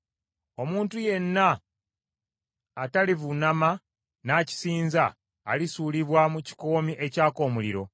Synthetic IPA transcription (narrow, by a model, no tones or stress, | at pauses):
o̞muːntuje̞nːa | talivunama | naːci̥siːnzaː | lisuːliβwamuci̥ko̞ːmiʔe̞caːko̞ːmuliɾo̞̰